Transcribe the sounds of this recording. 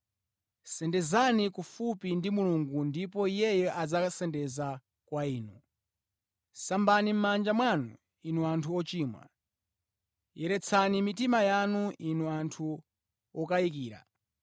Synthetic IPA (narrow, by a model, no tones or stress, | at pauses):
sɛndɛzanikufupindimuluŋɡundipɔijɛjɛʔad͡zasɛndɛza | kwaiːnu | sambanim̩mand͡ʒamwanu | inuantʰuɔt͡ʃiːmwa̰ | jɛɾɛt͡sʰanimitimajanuʔinuantʰu | ɔkaik̬iːɾa̰